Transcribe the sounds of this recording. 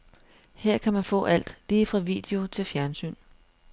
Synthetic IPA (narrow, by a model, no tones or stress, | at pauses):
heɐ̰kʰæmænfɔ̰̽ːʔæl̰d̥liːfʁɑ̈ʋḭːd̥e̝o̝t͡sʰe̝lfjæɐnsy̰ːn